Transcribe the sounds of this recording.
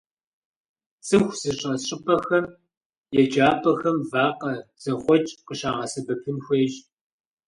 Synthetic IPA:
t͡sʼɨxʷz̥ɨɕʼɐɕʼɪpʰʼɐxɐm | jɛd͡ʒaːpʰʼɐxɐmvaːqɐz̥ɐχʷɔt͡ʃʼqəɕaːʁɐsɐbɐpʰɨnxʷeːɕʼ

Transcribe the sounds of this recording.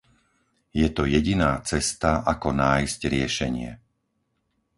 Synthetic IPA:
jɛt̪ɔjɛɟinaːt͡sɛst̪aʔakɔnaːjzcɾɪɛʃɛɲɪɛ̰

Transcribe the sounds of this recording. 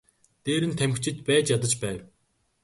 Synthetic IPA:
t̪eːɾɘ̆nt̪ʰæm̆xt͡ɕʰɪ̆t̪pæːt͡ɕjat̪ə̆t͡ɕpæːw

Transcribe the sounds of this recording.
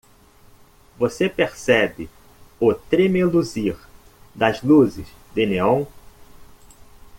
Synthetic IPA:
vosepeɾsɛbɪ | ʊt̪ɾemeluziɾ | d̪ɐzluzɪz | d̪ɪneõw̃

